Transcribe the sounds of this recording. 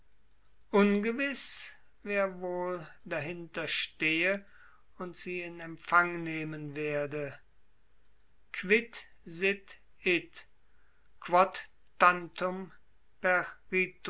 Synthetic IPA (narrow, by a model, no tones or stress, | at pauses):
ʔʊnɡəvɪs | veːɐvoːldaɦɪntɐʃteːə | ʊntz̥iːɪnɛmpfaŋneːmənveːɐdə | kʰv̥ɪtzɪt | ɪt | kv̥ɔt | tantʊm | pɛʁʁiːt